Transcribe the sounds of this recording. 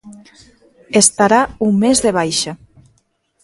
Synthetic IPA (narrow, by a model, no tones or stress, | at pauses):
est̪aɾauŋmezðeβ̞ajʃa